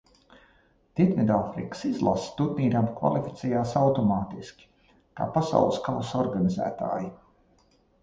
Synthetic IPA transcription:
t̪it̪mid̪aːfɾḭkə̥sizlˠa̰st̪ut̪niːɾamkva̰lˠifi̥t̪sʲɛjaːsawt̪ɔmaːt̪iskʲi̥ | ka̰ːpasa̰wlˠɨskavusɔɾɡanizæ̰ːt̪a̰ːji

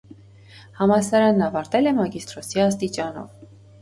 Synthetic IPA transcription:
hɑmɑsɑɾɑnːɑvɑɾt̪ɛlɛmɑɡist̪ɾɔsiɑst̪it͡ʃɑnɔ̰v

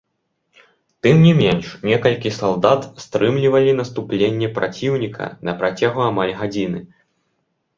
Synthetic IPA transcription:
t̪ɨmnʲimʲɛnʂnʲɛkɐlʲkʲisalˠd̪at̪st̪ɾɨmlʲivɐlʲinɐst̪uplʲenʲːɛpɾʔat͡sʲiwnʲikʰɐ̰nɐpɾat͡sʲaɣuamalʲɣad͡zʲinɨ

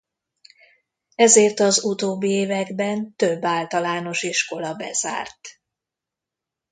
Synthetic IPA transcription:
ɛzeːrt̪ɒzut̪oːbːieːvɛɡbɛnt̪øbːaːlt̪ɒlaːno̞ʃiʃko̞lɒbɛz̥a̰ːrt̪

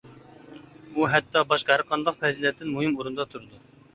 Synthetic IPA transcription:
uɦɛt̪ːɑbɑʃqɑhæɾqʰːɑnlˠəqfɛzilɛt̪ːɪnmuɦɪmuɾund̪ɑt̪ʰuɾɨd̪u

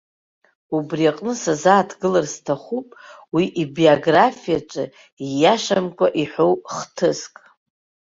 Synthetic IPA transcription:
ubriaqʼnɨsazaːtʰɡɨlarztʰaχupʼwiʔibioɡrafijat͡ʃʷʼɨ | ijaʃamkʷʼaʔiħo̞wχtʰɨskʼ

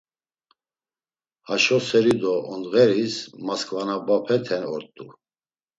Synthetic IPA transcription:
haʃɔsɛɾid̪ɔʔɔnd̪ɣɛɾismaskʼvanabapʰɛt̪ʰɛnɔɾt̪ʼu

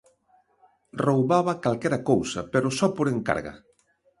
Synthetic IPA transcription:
rowβaβakalkɛɾakowsapeɾosɔpoɾeŋka̰ɾɣa̰

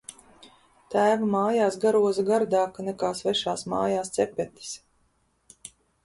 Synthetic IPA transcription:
t̪æːvamaːjaːsɡaɾuɔzaɡaɾd̪aːkanɛkaːsvɛʃaːsma̰ːjaːst̪sɛpʲɛt̪i̥s

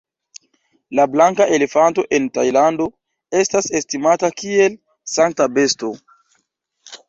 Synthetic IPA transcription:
lablaŋkaʔe̞le̞fanto̞ʔe̞ntajlando̞ | e̞stase̞stimatakie̞l | saŋk̚tabe̞sto̞

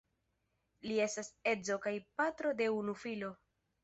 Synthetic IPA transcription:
lie̞stase̞d͡zo̞kajpatɾo̞de̞unufilo̞

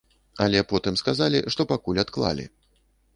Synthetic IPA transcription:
ɐlʲɛpɔt̪ɨmskazalʲḭʂt̪ɔpakulʲat̪klˠa̰lʲḭ

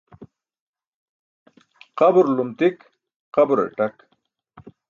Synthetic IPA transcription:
qabuɾlumt̪ik | qɐbuɾḛʈak

